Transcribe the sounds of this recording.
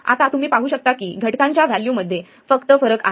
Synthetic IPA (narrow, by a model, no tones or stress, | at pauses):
a̰t̪at̪um̤iːpaɦuːɕək̚t̪akiːɡʱəʈkãɲt͡ɕjaʋæljuːməd̪ʱːje | fəkt̪əfəɾəka̰